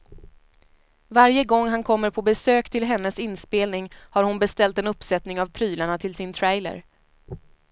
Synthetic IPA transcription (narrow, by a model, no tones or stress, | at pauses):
vaɾjəɡɔŋːɦankʰɔmːəɾpʰɔbɛsøːkt̪ʰɪlɦɛnːəsɪnspeːlnɪŋhaɾhʊnbɛst̪ɛlt̪ɛnɵpːsɛt̪nɪŋavpʰɾyːlaɳat̪ʰɪlsɪnt̪ʰɾɛjlə̰ɾ